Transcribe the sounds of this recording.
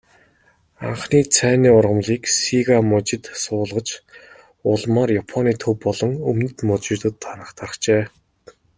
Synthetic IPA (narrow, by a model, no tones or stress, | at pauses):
a̰ɴχniːt͡sʰæːniːʊrʁə̆mɮiːksiɣamɔt͡ɕɪ̆t̪sʊːɮʁə̆t͡ɕ | ʊɮmarjapʰɔniːt̪ʰɵwpːɔɮɞ̆ŋɵmnɘ̆t̪mɔt͡ɕɪ̆rt̪ə̆t̪ʰːaɾə̆χt̪ʰarə̆χt͡ɕeː